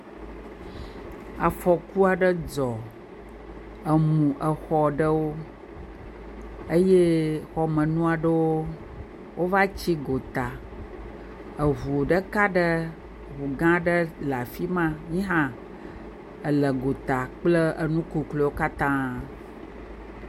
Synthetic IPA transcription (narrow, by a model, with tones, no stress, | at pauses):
a˨fɔ˨ku˦a˨ɖə˦d͡zɔ˨ | ə˨mũ˨ʔə˨xɔ˨ɖə˦wo˦ | ə˦je˦xɔ˨mə̃˨nũ˦a˨ɖə˦wo˦ | wʔo˦va˦t͡ɕi˦ɡo˨t̪a˨ | ə˨ɦu˨o˨ɖə˦ka˦ɖə˦ | βu˨ɡã˦ɖə˦la˨fi˦mã˦ɲĩ˦ɦã˦ | ə˨lə˨ɡo˨t̪a˨k͡plə˦ə˨nũ˦ku˨klo˨˦wo˦ka˦t̪ã˦